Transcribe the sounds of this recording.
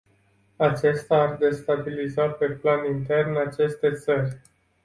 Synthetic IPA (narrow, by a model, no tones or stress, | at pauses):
at͡ʃe̞st̪aːrd̪e̞st̪abilizape̞planint̪e̞rnat͡ʃe̞st̪e̞t̪sərʲ